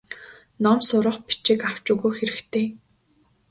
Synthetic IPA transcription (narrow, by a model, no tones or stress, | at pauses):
nɔmsʊɾə̆χpi̥t͡ɕĭkaw̥t͡ɕuːɣuːxeɾɘ̆xt̪ʰeː